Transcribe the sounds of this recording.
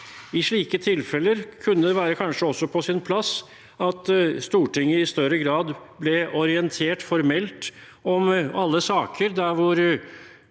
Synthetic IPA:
ɪʂɭiːkət̪ʰɪlfɛlːəɾkʰʉnːəd̪ɛʋæːɾəkʰɑnʂəɔsːɔpʰɔsɪnpʰlɑs | ɑt̪st̪uːʈɪŋːəɪst̪œɾəɡɾɑːd̪blɛɔɾɪɛnt̪ʰeːʈfɔɾmɛlt̪ | ɔmɑlːəsɑːkʰəɾd̪æɾʋʊɾ

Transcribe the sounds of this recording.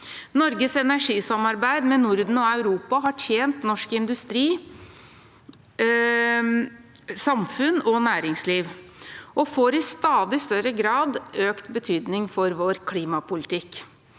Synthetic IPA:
nɔɾɡəsɛnæʂiːsɑmɑɾbæɪd̪mɛnʊɾd̪n̩ɔɑʉɾuːpɑɦɑʈʰjeːnt̪nɔʂkɪnd̪ʉst̪ɾiː | sɑmfʉnɔnæːɾɪŋsliːʋʔɔfoːɾɪst̪ɑːd̪ɪst̪œɾəɡɾɑːd̪øːkt̪bət̪ʰyːd̪nɪŋfɔɾʋoːɾkʰliːmɑpʰʊlɪt̪ɪkː

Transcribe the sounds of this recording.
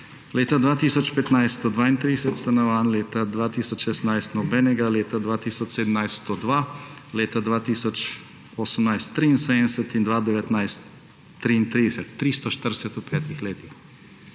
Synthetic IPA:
leːt̪ad̪ʋaːt̪isɔt͡ʃpɛt̪najst̪t̪ɔd̪ʋaːint̪ɾid̪sɛt̪st̪anɔʋaːnleːt̪ad̪ʋat̪isɔt͡ʃʃɛsnajst̪nɔbɛːnɛɡaleːt̪ad̪ʋat̪iːsɔt͡ʃsed̪əmnajst̪t̪ɔd̪ʋaleːt̪ad̪ʋat̪isɔt͡ʃ | oːsəmnajst̪ːɾiːnsɛnɛsɛt̪ind̪ʋad̪ɛʋɛt̪najst̪ː | ɾiint̪ɾid̪ɛsɛt̪ːɾist̪ɔʃt̪əɾdɛsɛt̪upʰɛːt̪ixleːt̪ix

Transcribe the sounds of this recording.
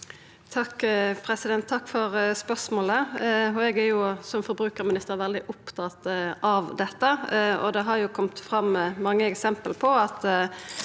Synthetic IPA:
t̪ʰɑkːpʰɾɛsɪd̪ɛnt̪ʰːɑkːfɔɾspœsmoːləɔɛɡæɾjʊsɔmfɔɾbɾʉːkəɾmɪnɪst̪əɾʋɛld̪ɪʔʊpt̪ʰɑt̪ɑʋd̪ɛt̪ːəɔ̰d̪ɛɦɑɾjʊkʰɔmt̪fɾɑmːmɑŋːəɛksɛmpəlpʰɔɑt̪

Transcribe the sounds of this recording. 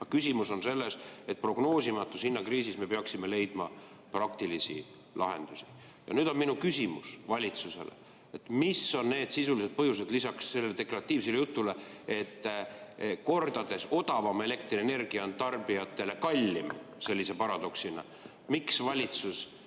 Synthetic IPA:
ɑkysʲimuso̞nse̞lːe̞se̞t̪̚pro̞ɡ̥no̞ːsimɑt̪ːushinːɑkriːsisme̞peɑksime̞le̞jd̪̥mɑ | prɑkt̪ilisḭ | lʔɑ̰ɦe̞̰nd̪̥usi̥ | jɑ̰nyːd̪̥o̞nminukysʲimṵsvɑlʲit̪suse̞̰lḛ | et̪ːˑmiso̞nːne̞ːd̪̥sisulise̞d̪̚pɤɦjuse̞d̪̥lisɑksːe̞lːeet̪e̞klɑrɑt̪ːˑiːvselejut̪ːˑulee̞t̪ːˑ | ko̞rd̪̥ɑd̪̥e̞so̞d̪̥ɑvɑme̞le̞k̚t̪riene̞rɡ̥iɑont̪ɑrb̥ijɑt̪ːˑe̞le̞kɑlʲːimse̞lʲːise̞pɑɾɑd̪̥o̞ksinɑ̰ | miksvɑlʲit̪sus

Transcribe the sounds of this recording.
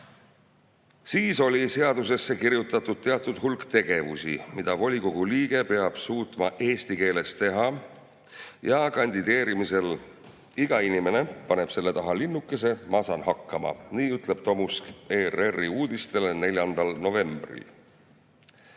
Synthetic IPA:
siːso̞lʲise̞ɑd̪use̞sːe̞kiɾjut̪ːˑɑt̪ːˑud̪̥̚t̪eɑt̪ːˑud̪̥hulkt̪e̞ɡ̥e̞vusḭmid̪̥ɑvo̞lʲiko̞ɡ̥uliːɡ̥e̞pe̞ɑb̥suːt̪ˑmɑʔe̞ːst̪ike̞ːle̞st̪e̞ɦɑ | jɑkɑnʲd̪id̪̥e̞ːɾimise̞l | iɡ̥ɑinime̞ne̞pɑne̞b̥se̞lːe̞t̪ɑɦɑlinːukːˑe̞se̞mɑsɑnɦɑkːɑmɑ̰niːyt̪ˑle̞b̥̚t̪o̞muskeːrerːiuːd̪̥ist̪e̞lene̞lʲjɑnd̪̥ɑlno̞ve̞mb̥rḭl

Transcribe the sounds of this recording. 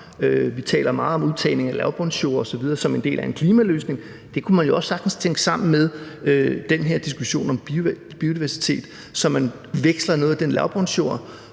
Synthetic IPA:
øʋit͡sʰɛ̰ːlɐmɑ̈ːð̞̩ˠɒ̽muðˠt͡sʰɛ̰ːɪle̝ŋælæʊb̥ʁɔnsɕo̝̰ːɐɒ̽sɒ̽ʋið̞ˠɐːsɒ̽me̝nd̥e̝̰ːlʔæe̝nkʰliːmælø̰ːsne̝ŋ | d̥e̝kʰumænjo̝ɒ̽sːɑ̈ɡ̥d̥n̩st͡sʰeŋ̰ɡ̥əsɑ̈m̰n̩með̞ˠød̥enɦe̝ɐ̰d̥isɡ̥uɕo̝̰ːnɒ̽m | b̥io̝diʋæɐsi̥t͡sʰe̝̰ːd̥ | sɒ̽mːæn | ʋeɡ̥slɐno̽ːð̩ˠd̥enlæʊb̥ʁɔnsɕo̝ɐ̰

